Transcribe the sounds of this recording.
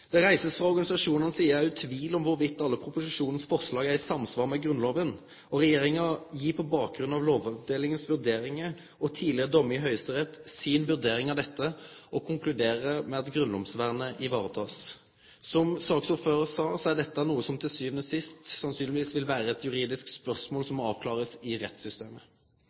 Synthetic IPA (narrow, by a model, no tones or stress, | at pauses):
d̪̥ɛʁæɪsəsfʁɑɔɾɡɑnɪsɑʂuːnənəsiːəæʉt̪ʰʋiːlɔmʋʊɾʋɪt̪ːɑlːəpʰʁʊpʊsɪʂuːnən̩sfɔɾʂlɑːɡæɪsɑmːsʋɑːʁmɛɡɾʉnloːʋən | ɔʁɛjeːʁɪŋɑjiːpʰɔbɑːk̚ɡɾʉnːɑʋloːʋɑʋd̪eːlɪŋənsʋʉʁd̪eːɾɪŋə | ɔt̪ʰiːlɪəd̪ɔmɪɦœʏst̪əʁɛt̪ːsɪnʋʉd̪eːɾɪŋɑʋd̪ɛt̪ːəɔkʰʊŋkʰlʉd̪eːʁəmɛɑt̪ɡɾʉnd̪ɔmsʋæʁnəʔɪʋɑːʁət̪ʰɑːs | sɔmsɑːksuːføːʁəsɑːsɔæd̪ɛt̪ːəænuːəsɔmt̪ʰɪlsyːʋnəsɪst̪sɑnsyːnɪʋiːsʋɪlʋæːɾəɛt̪ʰjʉɾiːd̪ɪsk̪spœʁsmoːlsɔmɑːʋkʰlɑːʁəsɪʁɛt̪sʏst̪eːmə